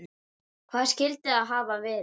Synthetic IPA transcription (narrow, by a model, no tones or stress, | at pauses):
kʰv̥aːð̥scɪlt̪ɪaðɦaːvavɛːɾ